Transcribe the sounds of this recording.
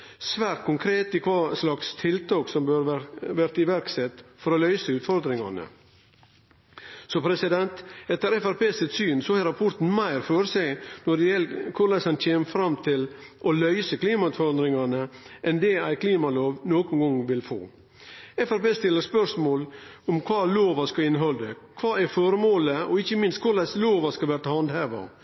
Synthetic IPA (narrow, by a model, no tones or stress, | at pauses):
sʋæːɾʈ̪̚kʰʊŋkʰɾeːt̪ɪkʰʋɑːslɑkst̪ʰɪlt̪ʰɑːksɔmbøːɾʋæɾt̪ɪʋæɾksɛt̪fɔɾɔlœʏsəʉːt̪fɔɾd̪ɾɪŋɑ̰nə̰ | sɔpʰɾɛsɪd̪ɛnt̪ɛt̪əɾɛfæɾpeːsɪt̪syːnsɔhæɾɑpʰʊɾt̪n̩mæɪɾfoːɾəsæɪnɔɖɛjɛlkʰʊɾlɛsɑnt̪ʰeːməfɾɑmt̪ʰɪlʔɔlœʏsəkliːmɑʉt̪fɔɾɑnd̪ɾɪŋɑnəʔɛnd̪ɛæɪkʰliːmɑloːʋnoːkʊnɡɔŋʋɪlfo̰ː | ɛfæɾpeːst̪ɪlːəɾspœʂmoːlɔmkʰʋɑːloːʋɑskɑɪnːɦɔld̪əkʰʋɑːæfɔɾmoːləɔɪçːəmɪnst̪kʰʊɭæsloːʋɑskɑʋæɾʈ̪ɑhɑnd̪hæːʋɑ̰